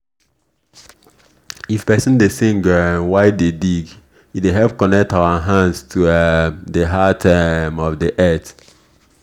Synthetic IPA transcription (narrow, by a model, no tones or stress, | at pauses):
ifpɛsũndesĩŋɡə̃waɪdediɡ | ideɦɛlpkɔnɛk̚tawəɦãndstʰudəɦatʰɛmɔfdiʔɛt